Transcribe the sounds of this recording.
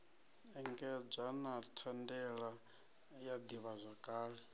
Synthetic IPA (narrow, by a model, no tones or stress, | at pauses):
ɛŋɡɛb͡ʐʷanatʰandɛɺa | jad̪iβazʷakʼaːɺi